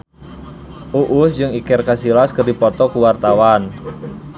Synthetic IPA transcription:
ʔuʔusd͡ʒɨŋikɛrkasilaskɨrdipɔt̪ɔkuwart̪awan

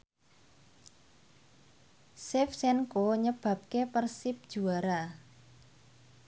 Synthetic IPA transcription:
sɛfsɛnkoɲəb̥ä̤p̚kepərsɪp̚d̥ʒ̥uaɾa

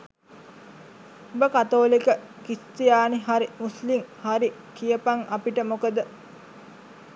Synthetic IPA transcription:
obəkat̪oːlikə | kist̪ijaːniɦaɾimuslimhaɾikijəpaŋapiʈəmokəd̪ə

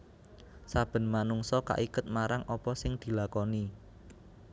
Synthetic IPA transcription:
sab̥ə̤nmanuŋsɔka̰ʔikʊt̪̚maɾaŋɔpɔsɪŋd̪̥i̤lakɔni

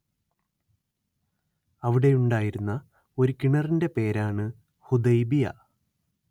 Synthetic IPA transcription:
ɐʋiɽe̞juɳɖaːjiɾunːɐ | o̞ɾukiɳɐrinde̞pe̞ːɾaːɳɨ | hud̪ɐjbijɐ̰

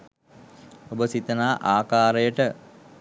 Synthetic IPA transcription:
obəsit̪ənaːʔaːkaːɾəjəʈə

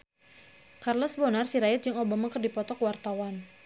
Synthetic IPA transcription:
karlɔsbɔnarsiɾajat̪̚d͡ʒɨŋobamakərdipɔt̪ɔkwart̪awan

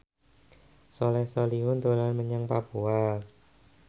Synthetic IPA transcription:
sɔlɛhsɔliɦʊnt̪olanməɲaŋpapua

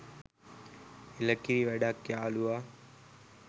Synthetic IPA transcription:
ɪləkiɾiːʋeːɖaːkjaːluaː

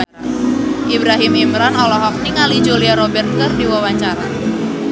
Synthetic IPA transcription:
ʔibɾaɦimimɾanɔlɔɦɔk̚niŋali̥d͡ʒuliaɾobɛrt̪̚kərdiwawaɲt͡ʃaɾa

